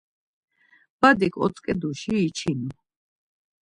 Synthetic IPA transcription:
b̥ad̪ikʰɔ̰t̪sʼkʼɛd̪uʃiːt͡ʃʰinu

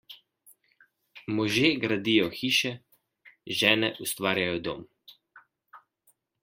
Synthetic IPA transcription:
mɔʒeːɡɾad̪iːjɔxiːʃɛ | ʒɛːnɛʔust̪ʋaːɾjajɔd̪o̰ːm

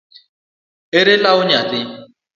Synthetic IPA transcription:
eɾelaʊɲat̪ɪ

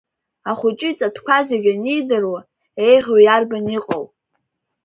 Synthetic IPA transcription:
aχʷʊt͡ʃʼit͡sʼatʰkʷazeɡʲanijdɨrwa | e̞jʁʲojarbaniqʼow

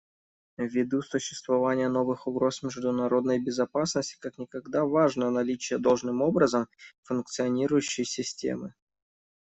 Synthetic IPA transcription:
vʲːɪd̪usʊɕːɪ̥st̪vɐvanʲɪjəno̞vɨxʊɡɾo̞smʲɪʐd̪ʊnɐɾo̞d̪nəjbʲɪzɐpasnəsʲtʲɪ̥kaknʲɪkɐɡd̪avaʐnənɐlʲit͡ɕɪjəd̪o̞lˠʐnɨmo̞bɾəzəmfʊnk̚t̪sɨɐnʲiɾʊjʉɕːɪjsʲɪsʲtʲḛmɨ

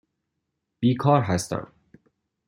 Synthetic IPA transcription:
b̥iːkʰɒːɾɦæst̪æ̰m

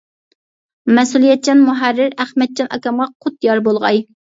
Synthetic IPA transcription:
mɛsulˠijɛt̪̚t͡ʃʰɑnmuɦæɾːɪɾæχmɛt̪̚t͡ʃʰɑnɑ̰kʲɑmʁɑqʰʊt̪̚jɑɾbolˠʁɑ̰j

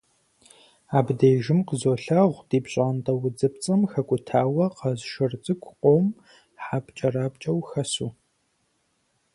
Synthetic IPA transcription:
aːbdeːʒɪmqəzoːɬɐʁʷdiːpɕʼaːntʼɐwʊd͡zɨpt͡sʼɐmxɐkʷʼʊtʰaːwɐqɐzʃɐrt͡sʼɨkʷʰʼqʷʼom | ħaːpt͡ʃʼɐraːpt͡ʃʼɐwxɐsṵː

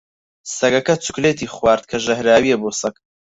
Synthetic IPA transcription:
sɐɡɐkɐt͡sʊ̥kleːt̪iːχwaːɾt̪̚kʰɐʒɐhɾaːwijeboːsɐk

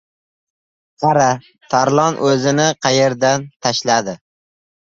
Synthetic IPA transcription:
qʰɑɾa | t̪ʰaɾlˠɒnʔɵzɪnɪqʰɑjeɾd̪ant̪ʰaʃlad̪ɪ

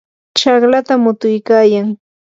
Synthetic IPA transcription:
t͡ʃɑχlat̪amʊt̪ʊjkaːjaŋ

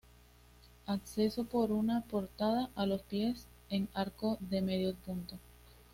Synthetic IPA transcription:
akse̞so̞po̞ɾunapo̞ɾt̪aðaʔalo̞spje̞s | e̞ŋaɾko̞ðe̞me̞ðjospunt̪o̞s

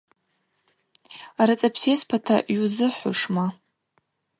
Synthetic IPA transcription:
aɾat͡sʼapʰsespʰatʰa̰ɥuzɨħʷʊ̰ʂma

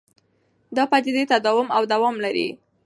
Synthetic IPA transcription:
d̪ɑpad̪ɪd̪et̪ad̪ɑwʊmawd̪awɑmlaɾḭ

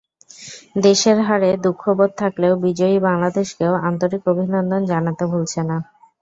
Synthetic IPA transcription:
d̪eʃeɾɦaɾed̪ukʰːobod̪̚t̪ʰakleobid͡ʑoibaŋlad̪eʃkeoant̪oɾikobʱinɔnd̪ond͡ʑanat̪ebʱolt͡ɕʰena

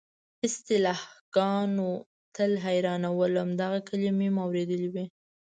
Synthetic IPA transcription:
ɪst̪ɪlɑhɡ̥ɑno | t̪əlɦajɾɑnawəlamd̪aɣakʰəlimimawɾed̪əliwi

